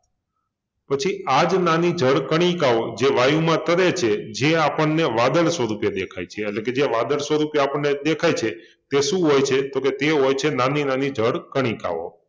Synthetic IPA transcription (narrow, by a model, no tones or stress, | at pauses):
pət͡ʃʰiad͡ʒnanid͡ʒʱəɽkəɽ̃ĩkaʋod͡ʒeʋajũmãt̪əɾet͡ʃʰed͡ʒeapəɳːeʋad̪əɭsʋəɾupjəd̪ekʰajt͡ʃʰeːtleked͡ʒeʋad̪əɭsʋəɾupjəapəɳːed̪ekʰajt͡ʃʰe | t̪eʃũɦojt͡ʃʰet̪oket̪eɦojt͡ʃʰenaninanid͡ʒʱəɽkəɽ̃ika̰ʋo̰